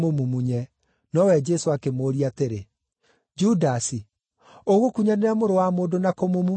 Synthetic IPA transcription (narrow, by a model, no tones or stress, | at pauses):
momumuɲɛ | nɔwɛd͡ʒɛsoakemoːɾiateɾe | d͡ʒudasi | oɣokuɲaneɾamoɾowamoːndonakomomu